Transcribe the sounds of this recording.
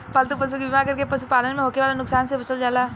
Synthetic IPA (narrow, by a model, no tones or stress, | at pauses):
palt̪up̬ɐs̬ukibimaːɾkɐɾkepɐsupaːlənmẽɦoːkeʋaːlanʊksaːnsebɐt͡ʃəld͡ʒaːlaː